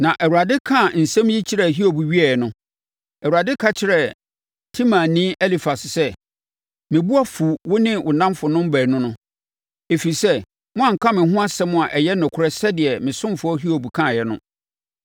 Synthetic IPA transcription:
nã˨ʔɛ˨wu˨ɾa˨dɪ˦kʰã˦˨n̩˨sɛ̃˦m˦ji˦t͡ɕʰi˦ɾɛ˨ɦi˦o˨bu˨ɥi˦ɛ˨ɛ˨nʊ̃˦ | ɛ˨wu˨ɾa˨dɪ˦kʰa˦t͡ɕʰɪ˦ɾɛ˦˨ | tʰĩ˦mã˨nĩ˦ʔɛ˦li˨fa˨sɪ˨sɛ˦ | mɪ̃˨bu˦a˦fu˨wʊ˦nɪ̃˦wʔʊ˨nã˦mfʊ˨nʊ̃˦m̩˦bæ˨nʊ̃˦nʊ̃˦ | e˨fi˨i˨sɛ˦ | mʊ̃˦ã˦˨ŋ̩˨kʰã˦mɪ̃˨ɦʊ̃˦a˦sɛ˦mʊ̃˦˨a˨ʔɛ˨jɛ˦nʊ̃˨kʰʊ˦ɾɛ˦sɛ˦dɪ˨ɛ˨mɪ̃˨sʊ̃˦mfʊ˦ɔ˦ɦi˦o˨bu˨kʰã˦˨jɛ˦nʊ̰̃˦

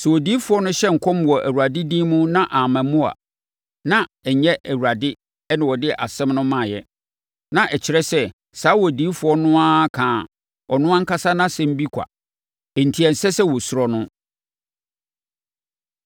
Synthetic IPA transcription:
sɛ˨wɔ˨diː˦fʊ˨ɔ˦nʊ̃˦ɕɛ˦ŋ̩˨kʰɔ˦m˨wɔ˨ʔæ˨wu˨a˨dɪ˦dĩː˦mũ˦nã˦ʔa˨mæ̃˨mũ˦a̰˨ | nã˦ɛ˨ɲɛ˦ʔæ˨wu˨ɾa˨dɪ˦ | ɛ˦nɪ̃˨wɔ˨dɪ˦˨ʔa˨sɛ̃˦mnʊ̃˦mã˨jɛ˦ | nã˨ʔɛ˨t͡ɕʰɪ˨ɾɛ˦sɛ˦ | saː˨˦wɔ˨diː˨˦fʊ˨ɔ˦nʊ̃˦a˦kʰãː˨ | ɔ˨nʊ̃˦ã˦ŋ̩˦ka˦sa˦nã˦sɛ˨m̩˦bi˦kʷʰa̰˨ | ɛ˨n̩˨tʰi˨˦ɛ˨sɛ˦sɛ˦wɔ˨sʊ˨ɾɔ˨nʊ̃˦

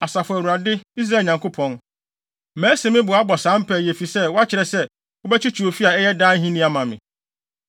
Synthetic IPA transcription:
a˨sa˨fʊ˨æ˨u˨ɾa˨dɪ˦i˦s̬ɾaː˨˦˨ɲã˨ŋkʰo˦pʰɔ̃˨n | mæ̃ː˨˦se˨mɪ̃˦bʊ˨a˦bɔ˨sãː˨˦m̩˦pʰɛ˨jɛ˨fi˨sɛ˦wɔ˦a˦t͡ɕʰɪ˨ɾɛ˨sɛ˦ | o˦bɛ˦t͡ɕʰi˦t͡ɕʰᶣi˨o˨fi˦a˨ɛ˦jɛ˦daː˦n˦ɦĩ˦nĩ˦a˦mã˨mɪ̰̃˨

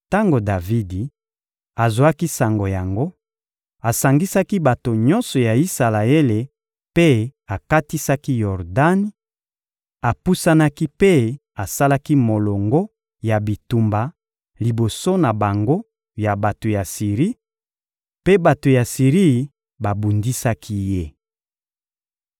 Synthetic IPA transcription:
ta˦ŋɡo˨da˨vi˦di˨ | a˨zwa˦ki˦sa˨ŋɡo˨ja˨ŋɡo˦ | a˨sa˨ŋɡi˦sa˦ki˦ba˨to˨ɲɔ̃˦nsɔ˨ja˨i˦sa˨la˨e˦le˨ | pe˦a˨ka˦ti˦sa˦ki˦jɔ˨ʁda˦ni˦ | a˨pu˦sa˦na˦ki˦pe˦ | a˨sa˦la˦ki˦mo˨lɔ˨ŋɡo˦ | ja˨bi˨tu˨mba˨ | li˨bo˨so˦na˨ba˨ŋɡo˦ | ja˨ba˨to˨ja˨si˨ʁi˦ | pe˦ba˨to˨ja˨si˨ʁi˦˨ | ba˨bu˨ndi˦sa˦kʰi˦je˦

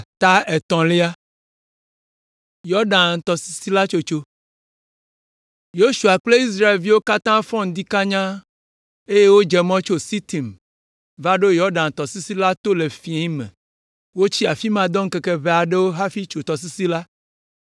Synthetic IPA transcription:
t̪a˦e˨t̪ɔ̃˨le˦a˦ | jɔ˦ɖã˨n˨t̪ɔ˨si̥˦si˦la˦t͡ʃo˦t͡ʃo˦ | jo˦ʃu˨a˨k͡ple˦i˦s̬ɾa˦˨e˨lvi˦wo˦ka˦t̪ã˦fɔ̃˦n˦d̪i˦ka˦ɲã˦ | e˦je˦wo˦d͡ʒɛ˨mɔ̃˦t͡ʃo˦si˦t̪i˨m | va˦ɖo˦jɔ˦ɖã˨n˨t̪ɔ˨si˦si˦la˦t̪o˦le˨fi˨ẽ˨˦mḛ̃˨ | wo˦t͡ɕi˦a˨fi˦mã˨d̪ɔ̃˦ŋ̩˦ke˨ke˦βe˨a˨ɖe˦wo˦ɦa˦fi˦t͡ʃo˨t̪ɔ˨s̬i˦si˦la˦

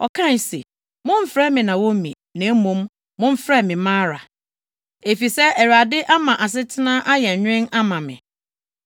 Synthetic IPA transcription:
ɔ˨kʰã˦n˨sḛ˨ | mʊ̃˦m̩˦fɾɛ˦mɪ̃˨nã˨wo˦mḭ̃˨ | nɛ̃˨˦mʊ̃˨˦m | mʊ̃˦m̩˦fɾɛ˦mɪ̃˨mãː˦ɾa˨ | e˨fi˨sɛ˦æ˨ɾa˨dɪ˦ʔa˦mã˨ʔa˨s̬ɪ˦tʰɪ˦nã˦ʔa˦jɛ˨ɲᶣ˦ɪ̃˦na˦mã˨mɪ̰̃˨

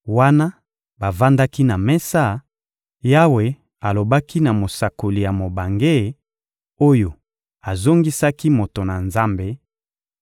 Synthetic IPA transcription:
wa˦na˦ | ba˨va˦nda˦ki˦na˨mɛ˦sa˦˨ | ja˦we˨ | a˨lo˨ba˦ki˦na˨mo˨sa˨ko˨li˨ja˨mo˨ba˨ŋɡe˦˨ | o˦jo˨ | a˨zo˦ŋɡi˦sa˦ki˦mo˨to˨na˨nza˦mbe˦

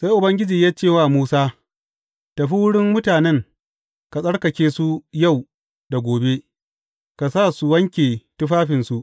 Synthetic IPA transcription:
sa˦jʔʊ˨bɐ˦ŋɡʲɪ˦d͡ʒiː˨jaː˦t͡ʃeː˦˨waː˦muː˦saː˦ | tɐ˨ɸi˦wʊ˦ɽɪ˦mmʊ˦taː˨nɛ˦ŋ | ka˨sʼɐ˦ɽkɐ˨kʲeː˦su˦ja˦˨w | da˨ɡʷoː˨be˦ | ka˨sa˦˨su˨wɐ˦ŋkʲeː˨tʊ˦ɸaː˦ɸɪ˨nsu˦ʔ

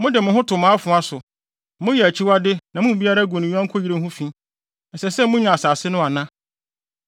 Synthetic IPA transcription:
mʊ̃˦dɪ˨mʊ̃˦ɦʊ̃˦tʰʊ˨mãː˨˦fʊ̃˨a˦sʊ˨ | mʊ̃˦jɛ˨æ˨t͡ɕʰi˦wa˦dɪ˦nã˨mʊ̃˦m˨bi˦a˦ɾa˦ɡõ˨nɪ̃˨ɲu˦a˦ŋ̩˦kʰo˦ji˨ɾe˦hʊ̃˦fĩ˦ | n̩˨sɛ˨sɛ˦mʊ̃˦ɲã˨a˨saː˨sɪ˦nʊ̃˦a˨nã˦

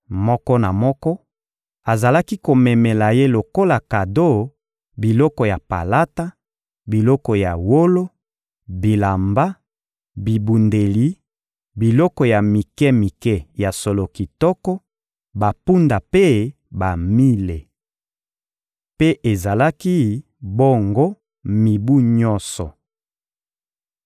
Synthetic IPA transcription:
mɔ˦kɔ˦na˨mɔ˦kɔ˦ | a˨za˨la˦ki˦ko˨mɛ˨mɛ˨la˨je˦lo˨ko˦la˨ka˨do˦˨ | bi˨lɔ˦kɔ˨ja˨pa̰˨la˦ta˦ | bi˨lɔ˦kɔ˨ja˨wo˦lo˦ | bi˨la˨mba˦ | bi˨bu˨nde˨li˦ | bi˨lɔ˦kɔ˨ja˨mi˨kɛ˦mi˨kɛ˦ja˨so˨lo˨ki˨tɔ˦kɔ˦ | ba˨pu˦nda˨pe˦ | ba˨mi˦le˨ | pe˦ʔe˨za˨la˦ki˦ | bo˦ŋɡo˦ | mi˨bu˦ɲɔ˦nsɔ˨

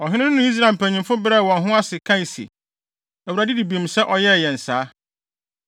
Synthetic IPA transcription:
ɔ˨ɦɪ̃˦nɪ̃˦nʊ̃˨˦i˦s̬ɾa˨m̩˨pʰæ̃˨ɲĩ˨mfʊ˦bɾɛ˦˨wɔ̃˨nɦʊ̃˦a˦sɪ˨kʰã˦i˨sḭ˨ | æ˨wu˨ɾæ˨dɪ˦di˨bi˨msɛ˦ʔɔ˨jɛ˦˨jɛ˨n̩˨saː˨˦

